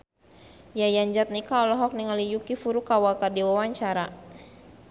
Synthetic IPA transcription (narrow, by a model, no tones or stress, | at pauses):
jajaɲd͡ʒat̪̚nikaɔlɔɦɔk̚niŋalijukifuɾukawakardiwawaɲt͡ʃaɾa